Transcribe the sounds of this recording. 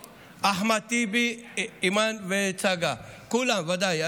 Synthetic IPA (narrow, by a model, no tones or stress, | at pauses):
aɦmat̪ibiimanʋet͡saɡakulãʋɐd̪aj